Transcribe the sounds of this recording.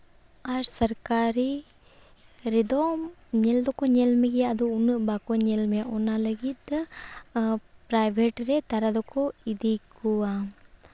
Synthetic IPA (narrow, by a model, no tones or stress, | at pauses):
aɾsɐɾkaːɾi | ɾid̪oːmneld̪ukuɲelmiɡeɐd̪uunːubakoɲelmunːalɐɡit̪ɨ | pɾajʋʱeʈɾet̪ɐɾɐd̪ɐkːuid̪ikua